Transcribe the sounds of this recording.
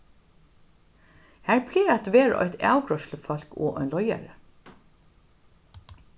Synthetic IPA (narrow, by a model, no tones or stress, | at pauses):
hæːɹpʰliːɾɑt̪ʋeːɹəʔɔ̰ʏt̪æ̰ːʊɡɹɔʃləfɑlko̰ːʔœnlɔʏæ̰ɾə